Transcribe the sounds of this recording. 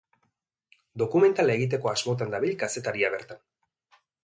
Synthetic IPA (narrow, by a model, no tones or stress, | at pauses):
d̪o̞kume̞nt̪alaeɣit̪̬e̞ko̞azmo̞t̪̬and̪aβiʎkase̞t̪aɾiaβe̞ɾt̪an